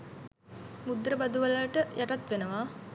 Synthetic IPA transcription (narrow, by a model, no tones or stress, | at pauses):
mud̪rəbad̪uʋalaʈəjʔaʈat̪ʋenəʋaː